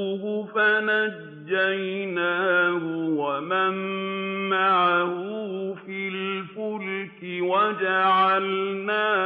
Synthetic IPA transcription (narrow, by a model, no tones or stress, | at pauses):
ɦʊfana | d͡ʒːajnaːɦʊwamamː | aʕaɦʊfilfʊlkɪwad͡ʒaʕalnaː